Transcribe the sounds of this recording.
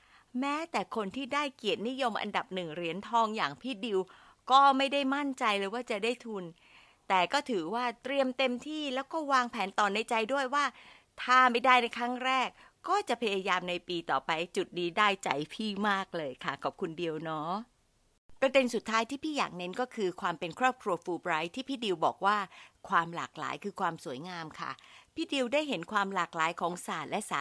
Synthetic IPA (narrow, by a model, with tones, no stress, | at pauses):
mɛː˦˥t̪ɛː˨˩kʰo˧nt̪ʰiː˥˩daː˥˩jki˨˩ət̪̚ni˦˥jo˧mʔa̰˧nda˨˩p̚nɯ˨˩ŋɾi˩˦ənt̪ʰɔː˧ŋjaː˨˩ŋpʰiː˥˩di˧w | kɔː˥˩ma˥˩jda˥˩jma˥˩nt͡ɕa˧jlːjwaː˥˩t͡ɕa˨˩daː˥˩jt̪ʰu˧n | t̪ɛː˨˩kɔː˥˩t̪ʰɯː˩˦waː˥˩t̪ɾi˧əmt̪e˧mt̪ʰiː˥˩lɛː˦˥wkɔː˥˩waː˧ŋpʰɛː˩˦nt̪ɔː˨˩nːa˧jt͡ɕa˧jdu˥˩əjwaː˥˩ | t̪ʰaː˧˩ma˧˩jdaː˥˩jna˧jkʰɾa˦˥ŋɾɛː˥˩k̚ː | ɔː˥˩t͡ɕa˨˩ʔpʰa˧jaː˧jaː˧mna˧jpiː˧t̪ɔː˨˩pa˧jt͡ɕu˨˩t̪̚diː˧daː˥˩jt͡ɕa̰˧jpʰiː˥˩maː˥˩k̚lɤː˧jkʰa˥˩kʰa˨˩p̚kʰu˧ndi˧əwnɔ˦˥ | pɾa˧de˧nsu˨˩t̪ʰːaː˦˥jt̪ʰiː˥˩pʰiː˥˩ja̰ː˨˩k̚ne˦˥nkɔː˥˩kʰɯː˧kʰwaː˧mpe˧nkʰɾɔː˥˩p̚kʰɾu˧ɐfuː˧bɾa˦˥jt̪ʰiː˥˩pʰiː˥˩di˧wbɔ̰ː˨˩k̚waː˥˩kʰwaː˧mla̰ː˨˩k̚la̰ː˩˦jkʰɯː˧kʰwaː˧msu˩˦əjŋaː˧mkʰa̰˥˩pʰiː˥˩di˧wdaː˥˩jɦe˩˦nkʰwaː˧mlaː˨˩k̚laː˨˩˦jkʰɔː˩˦ŋsaː˨˩t̪̚lɛ˦˥sa̰ː˨˩